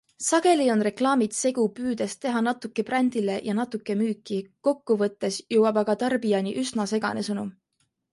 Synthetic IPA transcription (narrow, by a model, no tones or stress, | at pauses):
sɑɡ̥e̞lio̞nre̞klɑːmit̪se̞ɡ̥upyːd̪̥est̪e̞ɦɑnɑt̪ːˑukːˑe̞prænʲd̪̥ile̞jʔɑnɑt̪ːˑukːˑe̞myːkːˑiko̞kːuvɤt̪ːe̞sjɤwɑb̥ɑɡ̥ɑt̪ɑrbijɑnʲiʔysnɑse̞ɡ̥ɑ̰ne̞sɤnum